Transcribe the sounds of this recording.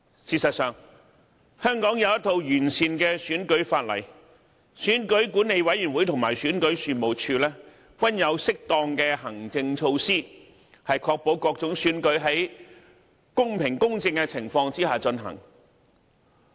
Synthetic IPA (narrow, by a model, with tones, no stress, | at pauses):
siː˧tsɐ˨t̚sœː˨ŋ | hœː˥ŋkɔː˨˥ŋjɐ˨˧wjɐ˥t̪ʰːo˧wjyː˨˩nsiː˨nkɛː˧syː˨˥nkɵ˨˥ɥfaː˧t̚lɐ̰˨˩j | syː˨˥nkɵ˨˥ɥkuː˨˥nːe˨˧jwɐ˨˥jy˨˩nwuː˨˥jt̪ʰʊ˨˩ŋmaː˨˩jsyː˨˥nkɵ˨˥ɥsyː˨mo˨˩wt͡ʃʰyː˧lɛː˥ | kwɐ˥njɐ˨˧wsɪ˥k̚t̪ɔː˧ŋkɛː˧hɐ˨˩ŋt͡sɪ˧ŋt͡ʃʰo˧wsiː˥ | hɐ˨jkʰɔː˧k̚po˨˥wkɔː˧k̚t͡sʊ˨˥ŋsyː˨˥nkɵ˨˥ɥɦɐ˨˥j | kʊ˥ŋpʰɪ˨˩ŋkʊ˥ŋt͡sɪ˧ŋkɛ˧t͡sʰɪ˨˩ŋfɔː˧ŋt͡siː˥haː˨t͡ʃɵ˧nɦɐ̰˨˩ŋ